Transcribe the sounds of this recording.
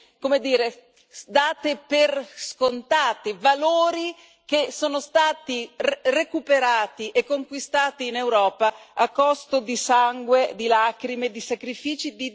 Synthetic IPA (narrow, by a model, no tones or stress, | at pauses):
komed̪iːɾe | d̪aːt̪eperskont̪aːt̪ivaloːɾi | k̟esoːnost̪aːt̪irekupeɾaːt̪iʔekːoŋkwist̪aːt̪iːnewɾɔːpaakːɔst̪od̪isaŋɡwed̪ilaːkɾimed̪isakɾifiːt͡ʃid̪i